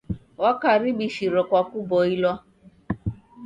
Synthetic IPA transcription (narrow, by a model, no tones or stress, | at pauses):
wɔkaɾibiʃiɾɔkʷakubɔilɔ